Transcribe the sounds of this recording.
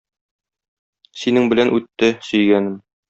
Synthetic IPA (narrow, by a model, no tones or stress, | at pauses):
sinɘŋbɘ̆lænʔʉt̪ːɘsɵ̆jɡænɘm